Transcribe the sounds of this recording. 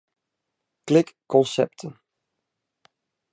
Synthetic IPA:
klɪkːɔnsɛp̚tʰən

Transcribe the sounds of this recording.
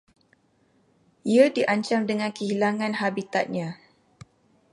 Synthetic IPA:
iadiʔaɲt͡ʃamdəŋãnkəɦilaŋãnɦabit̪at̪̚ɲã

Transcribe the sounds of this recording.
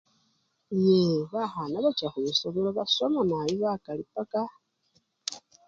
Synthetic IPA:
jeβaxanaβat͡ʃaxuisoβoloβasomanajiβakalipaka

